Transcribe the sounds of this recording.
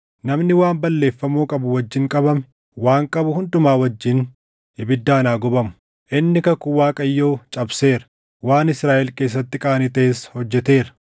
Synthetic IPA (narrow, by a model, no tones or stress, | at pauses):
nɐmnɪwaːmbɐlːe̞ːfːɐmuːkʼɐbʊwɐd͡ʒːɪŋkʼɐbɐmɛ̥ | waːŋkʼɐbʊhʊnd̪ʊmaːwɐd͡ʒːɪn | hɪbɪd̪ːaːnaːɡɔbɐmʊ̥ | ʔɪnːɪkɐkʊwaːkʼɐjːoːt͡ʃʼɐbse̞ːɾɐ̥ | waːnɪsɾaːʔɛlke̞ːs̬ːɐt̪ːɪkʼaːnɪt̪ɐeshɔd͡ʒːɛt̪e̞ːɾɐ̥